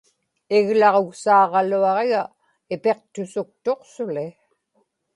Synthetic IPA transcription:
ɪɣlɑʁoɣsɑːʁɑluɑʁeɣa | ɪpe̞q̚t̪ʊsʊk̚t̪o̞qsʊlɪ

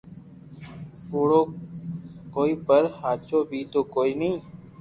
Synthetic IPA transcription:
oːɽoː | koːiːpəɾhaːt͡ʃoːbʱiːt̪oːkoːiːnĩː

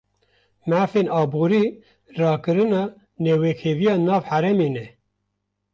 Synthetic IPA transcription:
mæːfeːnɑːbuːɾiː | rɑːkɨɾɨnɑː | neːweːkʰeːvijɑːnɑːvħæɾɛmeːnɛ

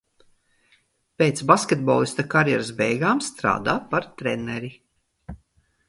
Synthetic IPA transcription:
pʲejt̪sbaskʲet̪̚bɔ̰lˠist̪akaɾjɛɾasbɛjɡaːmst̪ɾa̰ːd̪a̰ːpaɾt̪ɾɛnɛɾi

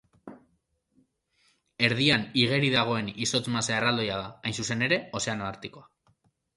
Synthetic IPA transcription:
e̞ɾðianiɣe̞ɾiðaɣ̞o̞e̞niso̞t͡smaseaerald̪o̞jaðaajnsuse̞ne̞ɾe̞o̞se̞ano̞aɾt̪iko̞a

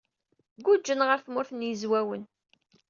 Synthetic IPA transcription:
ɡud͡ʒːənʁəɾθmʊɾθnjəzwæwən

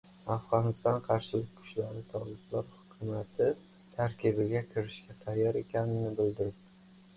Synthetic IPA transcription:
afʁɒnɪst̪ɒnqʰɑɾʃɪlɪk̚ʲkʰʊ̥t͡ʃlaɾɪt̪ʰɒlɪblaɾhʊ̥kʲʰʊmat̪ʰɪ | t̪ʰaɾkʲʰɪbɪɡʲakʲʰɪɾɪʃɡʲaqʰɑɾjaɾe̞kʲʰanɪnɪbɪld̪ɪɾɪp̪̚ɪ

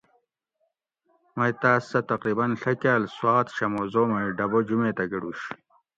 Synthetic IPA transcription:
mɐjt̪aːsːɐt̪ɐqɾiːbɐnɬɐkjaːlswaːt̪ɕɐmozoːmɐiɖɐbod͡ʑumeːt̪ɐɡɐɽuːɕ

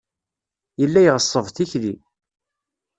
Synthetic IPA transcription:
jəlːæjʁəsˤːəvθiçli

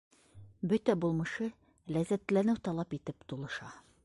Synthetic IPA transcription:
bɵt̪æbulˠmɤ̆ʃɤ | læzæt̪lænɘwt̪ɒlˠɑpit̪ɘpt̪ulˠɤ̆ʃɑ

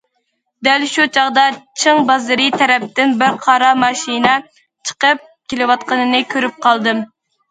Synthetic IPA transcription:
d̪ælʃut͡ʃʰɑʁd̪ɑt͡ʃʰɨŋbɑzɨɾit̪ʰɛɾɛp̚t̪ɪnbɪɾqʰɑɾɑmɑʃinɛ | t͡ʃʰə̥qəp̚kkʲʰelɪwɑt̪̚qənɨnɨkʲʰøɾyp̚qʰɑlˠd̪ɨm

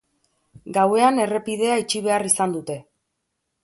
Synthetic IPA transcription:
ɡawe̞ane̞re̞pið̞e̞ait͡ʃiβ̞e̞arisand̪ut̪e̞

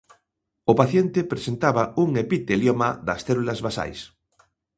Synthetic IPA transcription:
ʊpaθjent̪epɾesent̪aβauŋepit̪eljomaðɐsθelulazβasa̰js

